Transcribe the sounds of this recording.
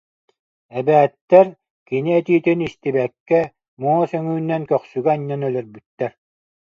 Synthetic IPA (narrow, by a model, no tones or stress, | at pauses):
ɛbɛːt̪ːɛɾ | kiniɛt̪iːt̪inist̪ibɛkːɛ | muɔsœŋyːnːɛnkœχsyɡɛːɲːanœlœɾbyt̪ːɛɾ